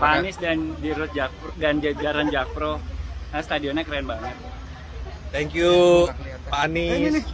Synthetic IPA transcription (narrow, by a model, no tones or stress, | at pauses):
panɪsdandiɾʊt̪̚d͡ʒadand͡ʒad͡ʒaɾand͡ʒak̚pɾoast̪adiɔnɲakəɾaɛnbaŋət̪̚ | t̪ɛŋkju | panis